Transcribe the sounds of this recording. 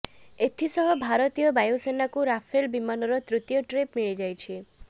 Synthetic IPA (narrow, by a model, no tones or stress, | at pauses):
et̪ʰisɔɦɔbʱaɾɔt̪ijɔbajosenakuɾapʰelbimanɔɾɔt̪ɾut̪ijɔʈɾepmiɭid͡ʒajt͡ʃʰi